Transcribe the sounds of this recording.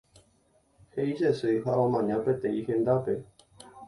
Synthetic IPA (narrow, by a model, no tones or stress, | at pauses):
heizesɨjɦaõmãɲãpet̪ẽihẽnd̪ape